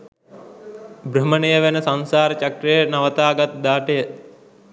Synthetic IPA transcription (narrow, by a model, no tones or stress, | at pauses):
bɾəmənəjəʋenəsansaːɾət͡ʃakɾəjənaʋət̪aːɡat̪̚d̪aːʈəjə